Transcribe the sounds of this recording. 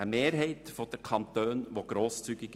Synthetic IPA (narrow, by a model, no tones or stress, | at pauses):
əmeːɾɦɛɪtfod̥̪əɾkʰɑnt̪øːnʋoɡ̥ɾoːst͡syɡɪɡ